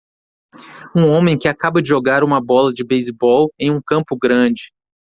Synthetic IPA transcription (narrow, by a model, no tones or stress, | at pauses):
ũõmẽj̃kɪakabɐd͡ʒɪʒoɡaɾũmɐbɔlɐd͡ʒɪbejzbɔwẽj̃ũkɐ̃mpʊɡɾɐ̃d͡ʒɪ